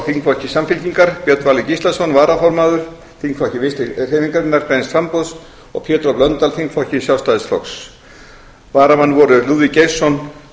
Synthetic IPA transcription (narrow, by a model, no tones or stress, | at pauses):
θiŋkfɔhcɪsamfɪlciŋkaɾpjœt̪vaːlɪcist̪asɔnvaːɾafɔɾmaːðʏɾ̥ | θiŋkfɔhcɪvɪst̪ɪr̥eːjviŋkaɾɪnːaɾkɾejnsfɾampɔðs | ɔ̰ɣpʰjɛːt̪ɾɔplœnt̪alθiŋkfɔhcɪsjawst̪aðɪsflɔks | vaːɾamanːvɔɾʏluːðvicejsːɔn